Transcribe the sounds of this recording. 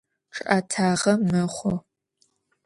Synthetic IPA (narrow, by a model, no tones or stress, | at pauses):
ʈ͡ʂʰʼʔatʰaːʁɐmɨχʷo